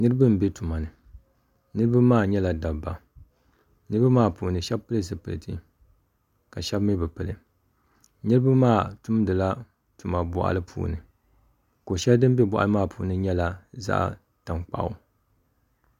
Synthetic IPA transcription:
nɨ˦ɾɨ˦bɨ˦m̩˨bɛ˦tu˨ma˨nɨ˨ | nɨ˦ɾɨ˦ba˦maː˦˨ɲɛ˦la˨da˨ba˨ | nɨ˦ɾɨ˦ba˦maː˦˨puː˨nɨ˨ʃɛ˦b̚pɨ˦lɨ˦zɨ˨pɨ̰˨lɨ˨tɨ̰˦ | ka˨ʃɛ˦bmi˦bɨ˨pɨ˨lɨ̰˨ | nɨ˦ɾɨ˦ba˦maː˦˨tʊ˦mdɨ˨la˦ | tu˨ma˨bɔ˨ʔa̰˨lɨ˦pʰṵː˨nɨ̰˨ | ko˨ʃɛ˦ldɨ˦m˦bɛ˦bɔ˨ʔa̰˨lɨ˦maː˦˨pʰṵː˨nɨ˦ɲɛ˦la˨za̰˦ʔ | ta˨ŋk͡pa̰˨ʔʊ̰˦

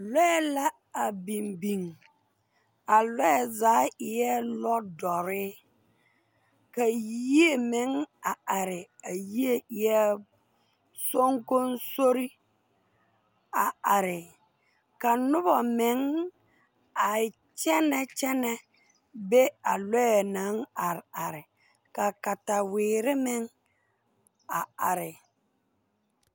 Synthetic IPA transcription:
lɔ˦ɛ˦la˦ | a˨bi˨mbi˨ŋ | a˨lɔ˦ɛ˨zaː˨˦ɪ˨jɛ˦lɔ˦dɔ˨ɾɪ˦ | ka˨ji˦e˦mɪ˨˦ŋa˨a˨ɾɪ˨a˨ji˦e˦ɪ˨jɛ˦ | so˦ŋko˦nso˦ɾi˦ | a˨a˨ɾɪ˨ | ka˨nʊ˦bɔ˨mɪ˨˦ŋ | a˨ɪ˨ | t͡ʃɛ˦nɛ˦t͡ʃɛ˦nɛ˦ | be˦a˨lɔ˦ɛ˨na˨˦ŋa˨ɾa˨ɾɪ˨ | ka˨ka˨ta˨wɪː˨ɾɪ˦mɪ˦ŋ | a˨a˨ɾɪ˨

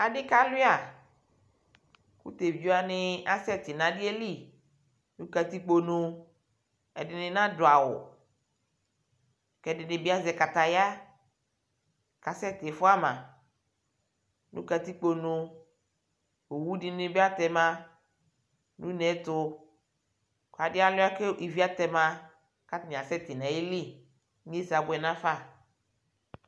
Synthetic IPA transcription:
a˨ɖɪ˦ka˦li˦a˨ | kṵ˦t̪e˨d͡ʒu˦a˦nɪ̃˦a˦sɛ˦t̪ɪ˨nã˨dɪ˦e˦li˦˨ | nũ˦ka˨t̪i˦k͡po˦nʊ̃˦ | ɛ̰˨dɪ˨nɪ̃˦nã˦dʊ˨a˨wʊ̰˨ | kɛ˦dɪ˨nɪ˦bi˦a˦zɛ˨ka˨t̪a˨ja˦ | ka˨sɛ˦t̪ɪ˨fʊ˦a˦mã̰˨ | nʔṵ̃˦ka˨t̪i˦k͡po˦nʊ̃˦ | o˨wu˦dɪ˦nɪ˦be˦a˦t̪ɛ˨mã˦ | nũ˦nɛ̃˨˦t̪ʊ˦ | ka˨dɪ˦a˦lʊ˦a˦ke˦i˨vi˦a˦t̪ɛ˨mã˦ | ka˦tn˨a˨sɛ˦t̪ɪ˨nã˨je˦li˦ | mĩ˦e˦si˨a˨bʊ˨ɛ˨nã˦fa˦

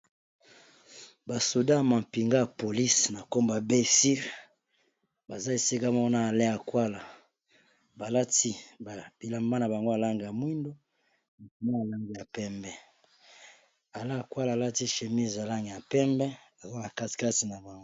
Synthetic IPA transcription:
ba˨so˨da˦ja˨ma˨mpi˨ŋɡa˦ja˨po˨li˦sna˨ko˦mba˨be˦si˦ʁ | ba˨za˦e˨si˦ka˦ma˦wa˦na˦a˨le˦a˨kwa˦la˨ | ba˨la˦ti˦ba˨b̥i˨la˨mba˦na˨ba˨ŋɡo˦a˨la˦ŋɡe˨ja˨mwi˦ndo˦ | na˨ku˨ma˦ja˨la˦ŋɡi˨ja˨pɛ˦mbɛ˦ | a˨le˦a˨kwa˦laː˨la˦ti˦ʃe˨mi˦za˨la˦ŋɡe˨ja˨pɛ˦mbɛ˦ | a˨za˦ba˨ka˦ti̥˨ka˦ti˨na˨ba˨ŋɡo˦

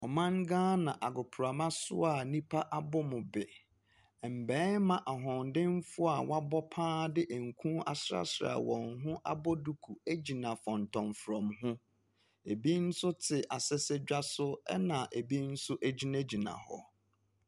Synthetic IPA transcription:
ɔ˨mã˦ŋ˦ɡãː˦nã˨ʔa˨ɡʊ˨pʰʊ˨ɾa˨mã˦sʊ̰˦a˨nĩ˦pʰa˦ʔa˨bʊ˦mʊ̃˨bɪ˨ | m̩˨bɛ̃ː˨˦mã˨ʔa˨ɦɔ̃˨n˨dɪ̃˦m˦fʊ˦a˨wa˦bɔ˦pʰãː˦dɪ˦ʔe˨ŋ̩˨kʷʰũ˦a̰˨sɾa̰˦sɾa̰˨wɔ̃˨ŋɦʊ̃˦ʔa̰˦bɔ˦du˦kʰu˨æ˦d͡ʑi˨nã˨fɔ̃˨ntʰɔ̃˨ɱfɾɔ̃˨mɦʊ̃˦ | e˨bi˦n̩˦sʊ˦tʰɪ˨ʔa˨sɪ˦sɛ˦d͡ʑᶣa˦sʊ˦ɛ˦nã˨ʔe˨bi˦n̩˦sʊ˦ʔæ˨d͡ʑi˦na˦d͡ʑi˨nã̰˨hɔ̰˨

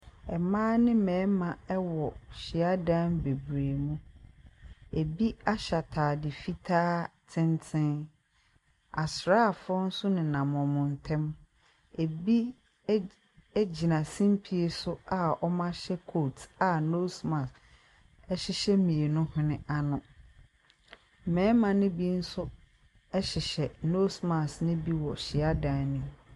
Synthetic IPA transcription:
ɛ˨mãː˦nɪ̃˦mɛ̃ː˨˦mã˨ɛ˦wɔ˨ɕɪ˨a˦dã˦nbe˨bɾeː˨mũ˦ | e˨bi˦a˦ɕa˨tʰaː˨dɪ˨fi˦tʰaː˦tʰɪ̃˦ntʰɪ̃˦n | a˨sɾaː˦˨fɔ˦n̩˦sʊ˦nɪ̃˨nã˨mɔ̃˨mʊ̃˨n˨tʰɛ̃˦m | e˨bi˦ | d͡ʑi˨nã˨sĩ˦m˦pʰi˨e˨sʊ˦a˨ɔ˦mã˦ɕɛ˦kʰo˦˨ta˨no˦smã˨s | ɛ˦ɕɪ˦ɕɛ˦mĩ˨e˨nʊ̃˦hʊ̃˦nɪ̃˦a˨nʊ̃˨ | mɛ̃˦mã˨nɪ̃˦bi˦n̩˦sʊ˦ | ɛ˦ɕɪ˨ɕɛ˨no˦sma˨snɪ̃˦bi˦wɔ˨ɕɪ˨a˦dãː˨˦nĩ˦

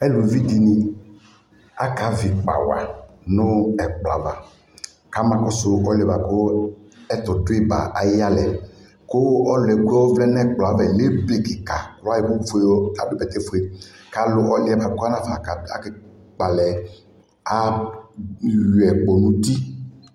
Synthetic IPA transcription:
ɛ˦lu˨vi˦d̪i˨nĩ˨ | a˦ka˨˦vi˨k͡pa̰˨wa̰˨nʊ̃˦ɛ˨k͡plɔ˨a̰˨˦va˨ | ka˨˦mã˨kʊ˦sʊ˦ɔ˦lɛ˨ba˨kʊ˦ɛ˦t̪ɔ˨dʊ˦e˦ba̰˨ʔa˨ji˦a˦lɛ˨ | kʊ˦ɔ˦lɛ˨ɡu˦ɔ˦wo˦vlɛ˦n˦ɛ˦k͡pla˨˦vɛ˨le˦ble˨ki˨ka˨klɔ˦a˦ji˨bʊ˦fe˨˦a˨bʊ˦bɛ˨t̪ɛ˦fo˦e˦ka˨lʊ˦ʔɔ˦lɪ˦ɛ˨ba˨kʊ˦a˦nã˦fa˨ka˨a̰˨kɪ˦ | k͡pa˨lɛ˨ | a˦ | jɛ˨k͡pɔ˨nũ˦di˦

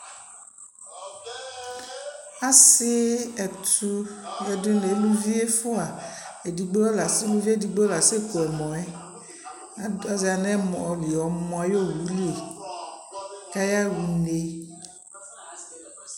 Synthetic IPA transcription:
a˦sɪ˦ɛ˨t̪u˦lɛ˨de˦ne˨˦lu˦vi˦e˦fo˦a˨e˨di˨ɡ͡bɔ˦la˨se˦lu˦vi˦e˦di˨ɡ͡bɔ˦la˨se˦ko˨ɛ˨mɔ̃˨ɛ˦ | a˦a˦za˨nɛ̃˦mɔ˨ɔ˨li˨ɔ˨˦mɔ̃˨a˨jo˦wu˨˦le˨ | ka˦ja˦wu˨ne˦

